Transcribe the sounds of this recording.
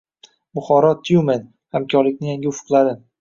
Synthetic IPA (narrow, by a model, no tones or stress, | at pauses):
bʊχɒɾɒt̪ʰjumen | hamkʲʰɒɾlɪkʲnɪjaŋɡʲɪʊfʊ̥qlˠaɾɪ